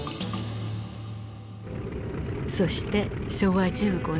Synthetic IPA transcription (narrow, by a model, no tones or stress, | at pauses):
so̞ɕi̥t̪e̞ɕo̞βad͡ʑɨːɡo̞